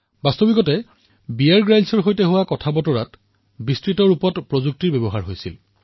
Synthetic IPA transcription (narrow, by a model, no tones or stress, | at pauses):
bastobikɔtɛ | bijaɹɡɹajlsɔɹɦojtɛɦʊwakɔtʰabɔtɔɹat | bistɹitɔɹupɔtpɹozuk̚tiɹbɛbɔɦaɹɦojsḭl